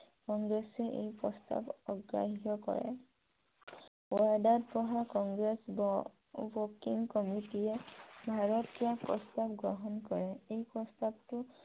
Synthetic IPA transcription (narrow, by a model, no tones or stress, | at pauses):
kɔŋɡɹesɛʔḛjpɹɔsta̰bɔɡɹa̰ɦitɔkɔ̰ɹɛ̰ | wadadpɹɔɦakɔŋɡɹes | bɔkiŋkɔmitijɛbʱaɹɔtkiapɹɔ̰stabɡɹɔɦɔnkɔɹɛejpɹɔstabtʊ